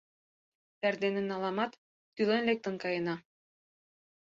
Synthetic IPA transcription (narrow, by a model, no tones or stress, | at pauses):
t̪æɾd̪enɘ̆nɑlˠɑmɑt̪ː | ylɘ̆nlek̚t̪ə̆nkɑjɤ̆nɑ